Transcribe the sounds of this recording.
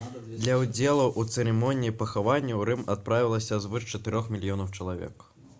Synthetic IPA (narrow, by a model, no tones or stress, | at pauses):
d̪lʲɐwd͡zʲeɛlˠuʔut̪sɨɾɛmɔnʲijipɐxavanʲːiwɾɨmat̪̚pɾavʲilˠɐsʲɐzvɨʂt͡ʂɐt̪ɨɾʲɔxmʲilʲijɔnɐwt͡ʂɐlˠavʲɛ̰k